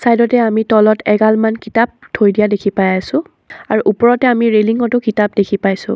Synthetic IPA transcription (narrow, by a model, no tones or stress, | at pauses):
sajdɔtɛamitɔlɔtʰɛɡalmankitap̚dʰʱojdijadekʰipajasʊ̃ | aɹuʔupɔɹɔtɛamiɹeliŋɔtʊkitap̚dekʰipajsʊ̰̃